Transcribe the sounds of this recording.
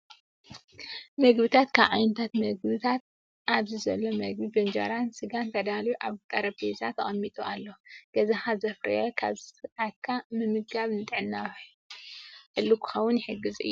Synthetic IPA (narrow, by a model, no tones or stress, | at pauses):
mɐɡbɨt̪ʰat̪kʰaβʕajnt̪ʰat̪mɐɡbɨt̪ʰat̪̚ | ʔaβzizɐlːomɐɡ̚bibɐnd͡ʒɐ̰ɾansɨɡant̪ʰɐd̪aljuʔa̰βt̪ʼɐɾɐbezat̪ʰːɐχʼɐmːit̪ʼualːoɡ̥ɐzaxazɐfɾɐ̰jokʰa̰βsɨakʰːamɨmɨɡɡaβnɨt̪ʼɨʕɨnːawħ | ħɨlːukʰɨ̥xɐwːʊnjɪħɨɡːɨzɨ̰jːu